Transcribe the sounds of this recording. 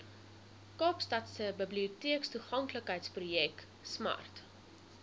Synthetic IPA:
kɑːpstɐtsəbəbliutiəkstuχɐŋkləkɦəjtsprujɛk | smɐ̰rt

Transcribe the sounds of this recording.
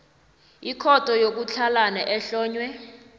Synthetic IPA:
ikʰɔtʰʼɔjok̬ut͡ɬʰalanaʔɛɬɔːɲwɛ

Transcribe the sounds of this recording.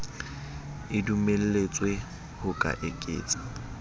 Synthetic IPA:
ɪdumel̩let͡sʼwe | hʊkʼa̰ʔekʼḛːt͡sʼḁ

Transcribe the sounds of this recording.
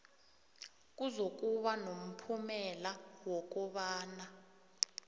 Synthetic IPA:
k̬ʼuzok̬ʼuɓanom̩pʰumɛlawɔk̬ʼɔɓaːna

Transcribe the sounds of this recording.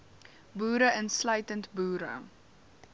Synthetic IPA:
buːɾəʔənslœɥtəntbuːɾə̰

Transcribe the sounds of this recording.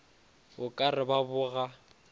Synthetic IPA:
bʊkʼarɪbabʊɣa

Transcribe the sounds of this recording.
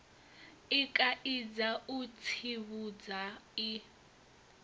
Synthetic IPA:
ikʼaʔid͡zaut͡sʰiβud͡zai

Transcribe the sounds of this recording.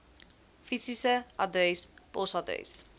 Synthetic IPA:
fisisəʔɐdəjspɔsɑdə̰js

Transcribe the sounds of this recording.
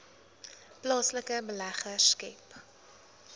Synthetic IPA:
plɑːsləkəbəlæχərskɛp

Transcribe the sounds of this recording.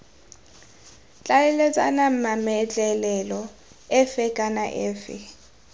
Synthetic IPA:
t͡ɬʼalɛlɛt͡sʼa̰nam̩mamɛt͡ɬʼɛlɛlɔ | ɛfɛkʼanaʔɛːfɪ̰

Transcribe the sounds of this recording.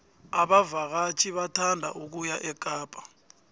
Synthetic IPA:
aɓavak̬at͡ʃʰiɓatʰandʱa̰ʔuk̬ujaʔɛkʼaːpʼḁ

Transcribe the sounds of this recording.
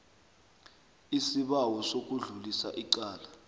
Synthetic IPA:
isiɓawɔsok̬uɮulisa̰ʔiǃaːla

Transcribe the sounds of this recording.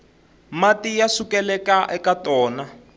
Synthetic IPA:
matijasukɛlɛkaʔɛkatɔːna

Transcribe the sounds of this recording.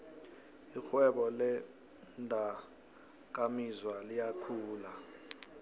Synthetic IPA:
ixwɛɓɔlɛ | ndʱa | k̬ʼamizwalijakʰuːla

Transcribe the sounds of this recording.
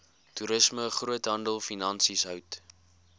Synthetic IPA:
tuɾəsməχruətɦɐndəlˠfinɐnsisɦœɥt

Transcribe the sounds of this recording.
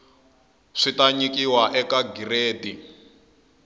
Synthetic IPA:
ʂitaɲikʼiwaʔɛkaɡireːdi

